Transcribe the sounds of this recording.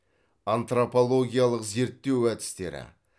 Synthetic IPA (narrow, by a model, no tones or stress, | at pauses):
ant̪ropo̞lˠo̞ɡʲijalˠəqze̞ɾt̪ːe̞wæt̪ɪ̥st̪e̞̰ɾɪ̰